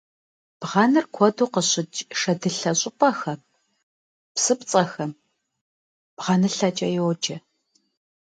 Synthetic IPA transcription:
b̥ʁɑnɨrkʷʰɔduːqəɕɪt͡ʃʼʂɐdɨɬɐɕʼɪpʼɐxɐp̚ | psɨpt͡sʼɐxɐm | b̥ʁɑnɨɬɐt͡ʃʼɐjɛwɔd͡ʒʼɐ

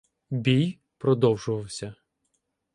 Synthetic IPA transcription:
bʲij | pɾɔd̪ɔwʒʊʋɐwsʲɐ

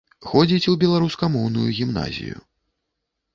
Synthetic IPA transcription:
xɔd͡zʲit͡sʲubʲɛlˠaɾuskɐmɔwnujuɣʲimna̰zʲḭjṵ

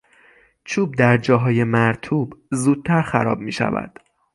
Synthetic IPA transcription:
t͡ʃʰuːb̚d̪æɾd͡ʒɒːɦɒːje̞mæɾt̪ʰuːbzuːd̪̚t̪ʰæɾxæɾɒ̰ːb̚miːʃæ̰væ̰d̪̥

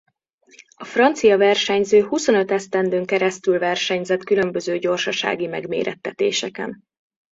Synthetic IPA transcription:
ɒfrɒnt̪sijɒvɛrʃɛɲzøːhuso̞nø̞t̪ɛst̪ɛnd̪øːŋkɛɾɛst̪ylvɛrʃɛɲzɛt̪kylø̞mbø̞zøːɟo̞rʃɒʃa̰ːɡimɛɡmḛːɾʔɛ̰t̪ːɛt̪ḛːʃɛkɛ̰n

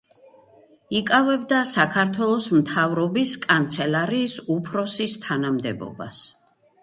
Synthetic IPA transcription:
ikʼavɛbd̪asakʰaɾt̪ʰwɛlˠɔsmt̪ʰavɾɔbiskʼant̪sʰɛlaɾiːsupʰɾɔsist̪ʰanamd̪ɛ̰bɔ̰ba̰s

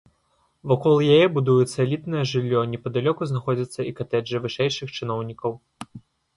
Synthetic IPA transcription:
vakɔlˠjajɛbud̪ujut̪sːɐlʲit̪nɐjɐʐɨlʲːɔnʲɛpɐd̪alʲɔkuznaxɔd͡zʲɐt̪sːɐikat̪ɛʐɨvɨʂɛjʂɨxt͡ʂɨnɔwnʲikɐw

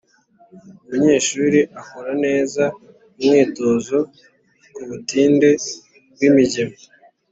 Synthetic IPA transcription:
umuɲe̞ːʃuːɾiʔakoɾane̞ːza | umŋiːto̞ːzo | kuβutiːnde̞ | b̚wimiɟemo

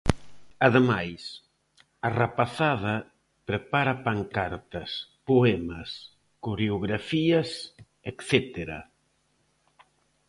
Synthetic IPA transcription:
aðemajs | arapaθað̞ɐ | pɾepaɾɐpaŋkaɾt̪ɐspoɛmɐs | kuɾeoɣɾafiɐs | ekθet̪eɾa̰

